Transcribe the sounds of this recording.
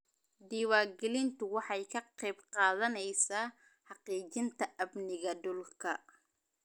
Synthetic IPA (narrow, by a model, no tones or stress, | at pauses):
d̪iːwaːɡɛlɪnt̪ʰʊwɑħɑjkʰɐqɛjbqɑːðɐnɛjsaː | ħɑqiːt͡ʃɪnt̪ʰɐʔɐbnɪɣɐd̪ʊlkʰɐ